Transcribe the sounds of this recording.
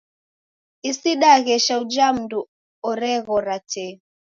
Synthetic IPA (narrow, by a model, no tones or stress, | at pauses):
isiɗaɣɛʃaud͡ʒam̩du | ɔɾɛɣɔɾatɛ